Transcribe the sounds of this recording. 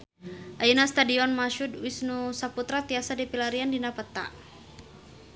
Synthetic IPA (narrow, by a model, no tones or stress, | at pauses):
ʔainast̪adiɔnmaʃudwisnusaput̪ɾat̪iasadipilaɾiandinapət̪a̰ʔ